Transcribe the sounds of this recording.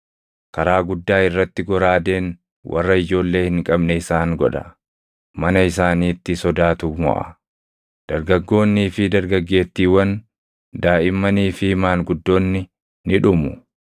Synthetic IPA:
kɐɾaːɡʊd̪ːaːɪrːɐt̪ːɪɡɔɾaːd̪e̞ːn | wɐ̰rːɐɪd͡ʒo̞ːlːe̞ːhɪŋkʼɐbnɛɪsaːŋɡɔᶑɐ̰ | mɐnɐɪs̬aːniːt̪ːɪsɔd̪aːt̪umɔ̰ʔɐ̰ | d̪̥ɐɾɡɐɡːo̞ːnːiːfɪd̪ɐɾɡɐɡːe̞ːt̪ːiːwɐn | d̪aːʔɪmːɐniːfɪhmaːŋɡʊd̪ːo̞ːnːɪ | nɪᶑʊmʊ

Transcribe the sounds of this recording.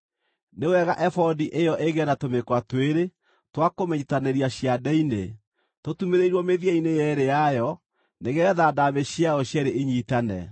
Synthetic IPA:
neowɛɣaʔɛfɔdiʔejɔʔeɣɛnatomekwatweɾe | twakomɛɲitaneɾiaɕjadɛinḛ | totumeɾeiɾwɔmeðjɛinejɛɾejajɔ | neɣɛðadameɕjaɔɕjɛɾeʔeɲiːtanɛ̰

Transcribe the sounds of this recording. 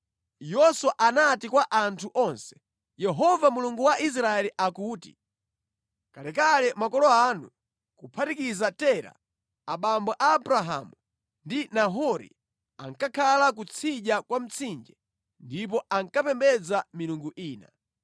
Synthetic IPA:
jɔswaʔanatikwaʔantʰuʔɔnsɛ̥ | jɛɦɔvamuluŋɡuwaʔis̬ɾaɛliʔakuːtḭ | kalɛkalɛmakɔlɔanṵ | kupʰatikizatɛɾa̰ | aɓambɔʔaːbɾaɦa̰mu | ndinaɦɔɾḭ | a̰ŋkakʰalak̬ut͡sʰiʄakwam̩t͡sʰind͡ʒɛ | ndip̬ɔaŋkapɛmbɛd͡zamiluŋɡuʔiːna

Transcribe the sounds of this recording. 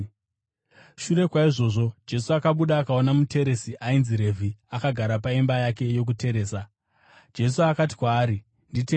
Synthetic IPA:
ʃure̞kwaiʐo̞ːʐo̞d͡ʒe̞suakaɓuɗaːkao̞namute̞ɾe̞siʔainziɾe̞vʱiakaɡʱaɾapaimbajake̞jo̞k̬ute̞ɾe̞ːsa | d͡ʒe̞suakat̬i̥kwaːɾi | ndite

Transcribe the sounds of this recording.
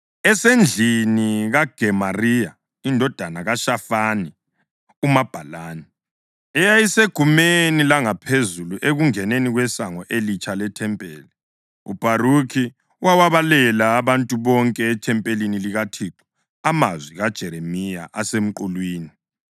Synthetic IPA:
ɛsend͡ɮʱiniɣaɡ̥ʱɛmarija | indʱɔd̥ʱanaɣaʃafani | umab̥ʱalaːnɛ | ɛjajiseɡ̥ʱumenilaŋapʰezuluʔeɣuŋɛneniɣwɛsaŋɔʔelit͡ʃʰʼalɛtʰɛmpʼɛːli | ṵb̥ʱaɾukʰi | wawaβalɛlaːβantʼuβɔŋkʼɛːtʰɛmpʼeliniliɣatʰiǁɔ̥ | amazwiɣad̥ʒ̥ʱɛɾemija̰ʔasem̩ǃulwiːni

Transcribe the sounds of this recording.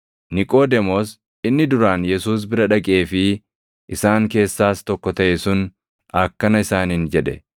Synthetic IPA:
nɪkʼo̞ːd̪ɛmoːs | ɪnːɪd̪ʊɾaːnjɛsuːs̬bɪɾɐᶑɐkʼe̞ːfɪ | ʔɪsaːŋke̞ːsːaːst̪ɔkːɔt̪ɐʔɛsʊn | ɐkːɐnɐɪsaːnɪnd͡ʒɛᶑɛ̰

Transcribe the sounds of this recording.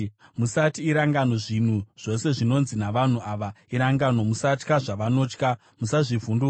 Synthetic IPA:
musatiːɾaŋɡano̞ʐin̤uʐ̥o̞se̞ʐino̞nzinaʋan̤uaːʋa | iɾaŋɡano̞musatkaʐaʋano̞ːt͡ʃka | musaʐivundu

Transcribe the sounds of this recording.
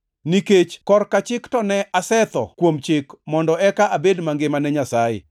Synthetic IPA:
niket͡ʃkɔrkat͡ʃɪktɔnɛasɛt̪ɔ̰kwomt͡ʃɪkmɔndɔɛkaʔabedmaŋɡɪmanɛɲasajɪ̰

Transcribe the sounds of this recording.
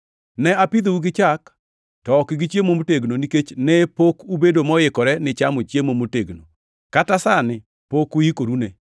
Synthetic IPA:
nɛapid̪ouɡɪt͡ʃak | tɔkɪɡit͡ʃjemomoteɡnoniket͡ʃnɛpokubedomɔjɪkɔɾɛnɪt͡ʃamot͡ʃjemomoteɡno̰ | katasanɪ | pokuikoɾune

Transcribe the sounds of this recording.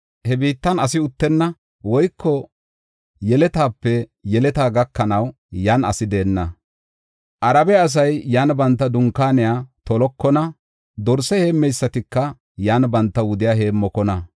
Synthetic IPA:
hɛbiːt̪ːɐnɐsɪʊt̪ːɛnːɐ | wɔjkʰːɔ | jɛlɛt̪aːpːɛjɛlɛt̪aːɡɐkːɐnɐw | jaːnɐ̰sɪd̪e̞ːnːɐ | ʔɐɾɐbɛɐs̬ɐjːaːnbɐnt̪ːɐd̪ʊŋkːaːnɪjaːt̪ɔlɔkːɔnɐ | d̪ɔɾsɛhe̞ːmːɛjsːɐt̪ɪkːɐ | jaːnbɐnt̪ːɐwʊd̪ɪjaːhe̞ːmːɔkɔnɐ

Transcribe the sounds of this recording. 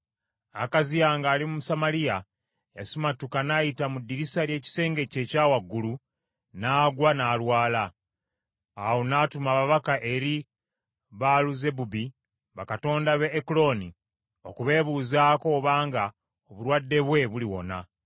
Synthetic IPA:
akazijaːŋɡaːlimumusamalija | jasumatukanajitamudːiɾisaɾje̞ːci̥se̞ːŋɡe̞ce̞ːcaːwaɡːulu | naːɡwanaːlwaːla | awonaːtumaβaβakaʔe̞ɾi | βaluze̞bubi | βakato̞ːndaβeːkulo̞ni | o̞kuβe̞ːβuːzaːko̞ːβaːŋɡa | oβulwadːe̞βwe̞βuliwo̞̰na

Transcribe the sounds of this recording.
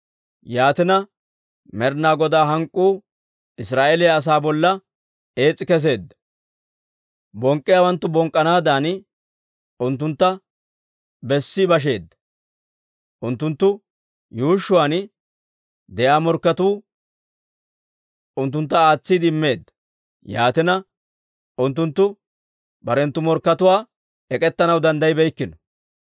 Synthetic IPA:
jaːt̪ɪnɐ | mɛɾnaːɡɔd̪aːɦɐŋkʼːuː | ɪsɾaːʔelɛjɐs̬aːbɔlːɐ | e̞ːt͡sʼːɪkɛs̬e̞ːd̪ːɐ | bɔŋkʼːɪjaːwɐnt̪ːʊbɔŋkʼːɐnaːd̪aːn | ʊnt̪̬ːʊnt̪ːɐ | bɛsːɪbɐʃ̬e̞ːd̪ːɐ | ʔʊnt̪ːʊnt̪ːʊ | juːʃːʊwaːn | d̪ɛʔaːmɔɾkːɐt̪uː | ʊnt̪ːʊnt̪̬ːɐaːt͡sːɪd̪ɪmːe̞ːd̪ːɐ̥ | jaːt̪ɪnɐ | ʊnt̪ːʊnt̪ːʊ | bɐɾɛnt̪ːʊmɔɾkːɐt̪ʊwaː | ɛkʼɛt̪ːɐnɐwd̪ɐnd̪ɐjbɛjkːɪnɔ

